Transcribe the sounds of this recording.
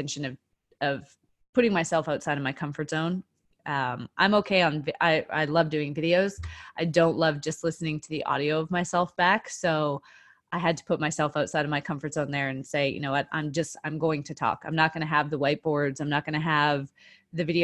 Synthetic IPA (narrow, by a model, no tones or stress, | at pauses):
ɛ̃nʃɨ̃nʌv̥ | ʔʌv̥ | pʰʊɾɪ̃ŋmaɪsɛlˠfaʊtsaɪɾʌvmaɪkʰʌ̃ɱfə˞tz̥õʊ̃n | ʔʌ̃mʔã̰ɪ̃moʊkʰeɪə̃nʔaɪa̰ɪlʌvdʉɪ̃ŋvɪɾioʊz̥ʔaɪdõʊ̃nʔlʌvd͡ʒʌstˡlɪsnɪ̃ŋtʰɨðḭʔɔ̰ɾioʊʌvmaɪsɛlˠfb̥æksoʊ | ʔaɪɨd̚tʰə̥pʰʊt̚maɪsɛlˠfaʊtsaɪɾʌvmaɪkʰʌ̃ɱfə˞tsõʊ̃nðə˞ɨ̃nseɪjɨ̰noʊwʌɾʔã̰ɪ̃md͡ʒʌstã̰ɪ̃mɡoʊɪ̃ŋtʰɨtʰɔ̰kãɪ̃mnət̚ɡ̥ʌñɨəvðəwaɪt̚b̥ɔɹdzãɪ̃mnət̚ɡ̥ʌñɨəvðɨvɪɾi